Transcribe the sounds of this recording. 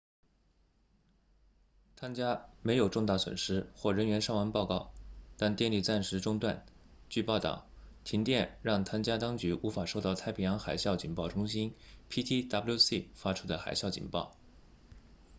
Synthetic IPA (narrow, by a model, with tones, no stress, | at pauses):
t̪ʰa˥nt͡ɕja˥me˧˥ɪjo˨˩ʊʈ͡ʂʊ˥˧ŋt̪a˥˩swə̰˨˩nʂɻ̩˥xwɔ˥˩ɻə˧˥nɥɛ˧˥nʂɑ˥˩ŋwa˧˥npɑ˥˧ʊkɑ˥˩ʊt̪a˥˧nt̪jɛ˥˧nli˥˩t͡sa˥˩nʂɻ̩˧˥ʈ͡ʂʊ˥˧ŋt̪wa̰˥˧˩n | t͡ɕy˥˧pɑ˥˧ʊt̪ɑ̰˥˩ʊt̪ʰi˧˥ŋt̪jɛ˥˧nɻɑ˥˩ŋt̪ʰa˥nt͡ɕja˥t̪ɑ˥ŋt͡ɕy˧˥ʔu˧˥fa˨˩ʂo˥˧ʊt̪ɑ˥˧˩ʊa˥˩ɪpʰi˥jɑ˧˥ŋxa˨˩ɪɕjɑ˥˩ʊt͡ɕi˨˩ŋpɑ˥˩ʊʈ͡ʂʊ˥ŋɕi˥npʰi˥t̪ʰi˥t̪ɑ˥plju˥˧si˥˩fa˥ʈ͡ʂʰu̥˥d̪ə˨˧xa̰˨˩ɪɕjɑ˥˩ʊt͡ɕḭ˨˩npɑ̰˥˩ʊ